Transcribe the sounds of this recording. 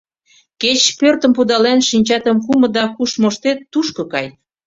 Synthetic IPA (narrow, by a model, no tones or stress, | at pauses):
ket͡ɕpørt̪ə̆mpud̪ɑlenʃinʲt͡ɕɑt̪ə̆mkumə̆d̪ɑkuʃmoʃt̪et̪ːuʃkŏkɑj